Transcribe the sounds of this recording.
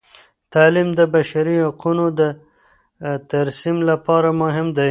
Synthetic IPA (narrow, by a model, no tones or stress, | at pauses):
t̪alimd̪əbaʃaɾihaqunod̪ə | t̪aɾsimlapɑɾamʊɦɪmd̪aj